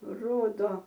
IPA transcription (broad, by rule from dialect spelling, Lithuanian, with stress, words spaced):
ˈroːdoː